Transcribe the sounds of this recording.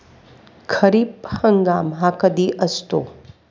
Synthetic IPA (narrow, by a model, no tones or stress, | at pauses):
kʰɐɾiːphəŋɡaːmɦãkɐd̪iʔɐst̪oː